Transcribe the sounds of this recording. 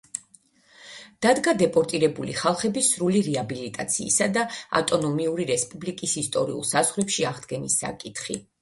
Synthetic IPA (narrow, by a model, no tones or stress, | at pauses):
d̪̥ad̪ɡad̪ɛpʼɔɾt̪ʼiɾɛbulḭχalˠχɛbisɾuliɾiabilit̪ʼat̪sʰḭːsad̪aa̰t̪ʼɔnɔmiuɾiɾɛspʼublikʼisist̪ʼɔɾḭṵlˠsazʁɾɛpʃiaʁd̪ɡɛnisːa̰kʼit̪ʰχḭ